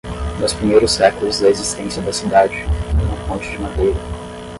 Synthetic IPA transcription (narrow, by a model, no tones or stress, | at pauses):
nʊspɾimejɾʊsɛkʊlʊzd̪ɐezist̪ẽsiɐd̪ɐsid̪ad͡ʒɪũmɐpõnt͡ʃɪd͡ʒɪmad̪ejɾɐ